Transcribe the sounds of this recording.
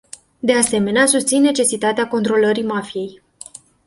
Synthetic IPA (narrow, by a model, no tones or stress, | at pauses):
d̪e̞ase̞me̞neasust̪sinːe̞t͡ʃe̞sit̪at̪eako̞nt̪ɾo̞ləɾimafije̞j